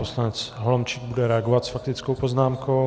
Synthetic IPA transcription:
poslanɛt͡sɦolomt͡ʃiːɡ̚budɛɾɛaɡovat̪sfak̚t̪ɪt͡skowpo̞znaːmko̞

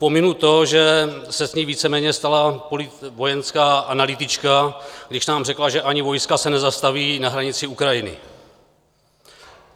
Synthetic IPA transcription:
pomɪnut̪o̞ʒɛsɛzɲiːviːt͡sɛmɛːɲɛst̪alapolɪ | vo̞jɛnskaːʔanalɪt̪ɪt͡ʃkaɡdɪʃnaːmrɛklaʒɛʔaɲɪvo̞jskasɛnɛzast̪aviːnaɦɾaɲɪt͡sɪukɾajɪnɪ̰

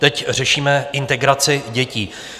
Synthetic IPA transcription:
t̪ɛcr̝ɛʃiːmɛʔɪnt̪ɛɡɾat͡sɪɟɛciː

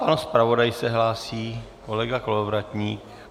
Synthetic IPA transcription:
panspɾavo̞dajsɛɦlaːsiː | ko̞lɛɡakolovɾat̪ɲiːk

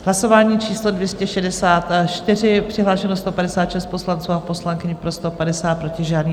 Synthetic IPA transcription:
ɦlaso̞vaːɲiːt͡ʃʰiːslo̞dvjɛscɛʃɛdɛsaːt̪ʃt̪ɪr̝ɪpr̝̥ɪɦlaːʃɛnost̪o̞padɛsaːt̪ʃɛst̪̚po̞slant͡suːapo̞slaŋkɪɲpɾo̞st̪o̞padɛsaːt̪̚pɾo̞cɪʒaːdniː

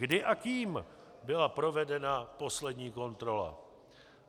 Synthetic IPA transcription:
ɡdɪʔakiːm | bɪlapɾo̞vɛdɛnapo̞slɛdɲiːko̞nt̪ɾo̞la̰

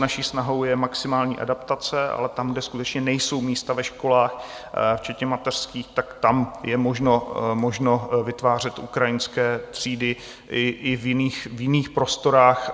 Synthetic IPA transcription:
naʃiːsnaɦo̞wjɛmaksɪmaːlɲḭːʔa̰dapt̪at͡sɛʔa̰lɛt̪amɡdɛskut̪ɛt͡ʃɲɛnɛjso̞wmiːst̪avɛʃko̞laːx | ft͡ʃɛt̪ɲɛmat̪ɛr̥skiːxt̪akt̪amjɛmo̞ʒno̞mo̞ʒno̞vɪt̪vaːr̝ɛt̪ʔukɾajɪnskɛːt̪r̝̥iːdɪ | ɪʔɪvjɪniːxvjɪniːxpɾo̞st̪o̞ɾaːx

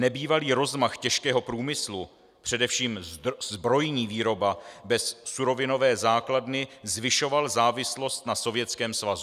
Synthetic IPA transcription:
nɛbiːvaliːɾo̞zmaxcɛʃkɛːɦo̞pɾuːmɪslu | pr̥ɛdɛfʃiːmzbɾo̞jɲiːviːɾo̞babɛsːuɾo̞vɪno̞vɛːzaːkladnɪzvɪʃo̞valzaːvɪslo̞st̪naso̞vjɛt͡skɛːmsvazu

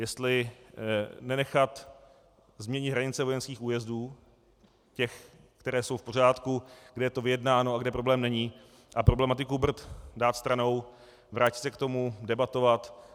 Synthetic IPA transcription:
jɛst̪lɪ | nɛnɛxat̪ | zmɲɛɲɪd̪ɦɾaɲɪt͡sɛvojɛnskiːxuːjɛzduː | cɛx | kt̪ɛɾɛːso̞wfpo̞r̝aːt̪kuɡdɛjɛt̪o̞vɪjɛdnaːnoaɡdɛpɾo̞blɛːmnɛɲiː | ʔapɾoblɛmat̪ɪkubr̩t̪daːt̪st̪ɾano̞w | vɾʔaːcɪt̪sɛkt̪o̞mudɛbat̪o̞vat̪

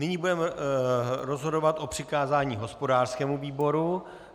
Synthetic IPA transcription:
nɪɲiːbudɛm | ɾo̞zɦodovat̪ʔo̞pr̝̥ɪkaːzaːɲiːɦo̞spo̞daːr̥skɛːmuviːbo̞ɾu

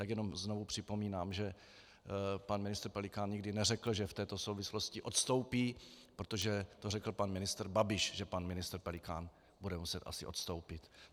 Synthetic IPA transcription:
t̪aɡjɛno̞mznovupr̝̥ɪpo̞miːnaːmʒɛ | panmɪnɪst̪ɾ̩pɛlɪkaːnɲɪɡdɪnɛrɛkl̩ʒɛft̪ɛːt̪osowvɪslo̞scɪʔo̞t̪st̪o̞wpiːpɾot̪oʒɛt̪orɛkl̩panmɪnɪst̪ɾbabɪʃʒɛpanmɪnɪst̪ɾpɛlɪkaːn | budɛmusɛt̪ʔa̰sɪʔo̞t̪st̪owpɪt̪

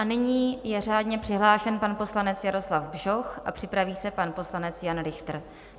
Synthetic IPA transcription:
ʔanɪɲiːjɛr̝aːdɲɛpr̥ɪɦlaːʃɛnpanpo̞slanɛt͡sjaɾo̞slavbʒoxʔapr̝̥ɪpɾaviːsɛpanpo̞slanɛt͡sjanɾɪxt̪r̩

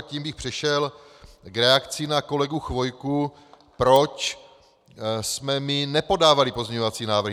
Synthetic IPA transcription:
ciːmbɪxpr̥ɛʃɛl | ɡɾɛakt͡sɪnako̞lɛɡuxvo̞jku | pɾo̞t͡ʃ | smɛmɪnɛpo̞daːvalɪpo̞zmɲɛɲo̞vat͡siːnaːvɾ̩

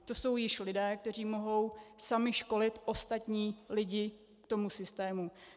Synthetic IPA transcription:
t̪o̞so̞wjɪʃlɪdɛːk̚t̪ɛr̝iːmo̞ɦo̞wsamɪʃko̞lɪt̪ʔo̞st̪at̪ɲiːlɪɟɪ | kt̪o̞musɪst̪ɛːmu

